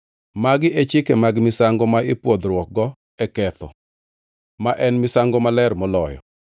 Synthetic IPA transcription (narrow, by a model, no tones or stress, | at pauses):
maɡɪʔet͡ʃɪkemaɡmɪsaŋɡɔmaɪpwod̪ɾwɔk̚ɡɔ | ɛkɛt̪ɔ̰ | maʔɛnmɪsaŋɡɔmalɛrmɔlɔjɔ̰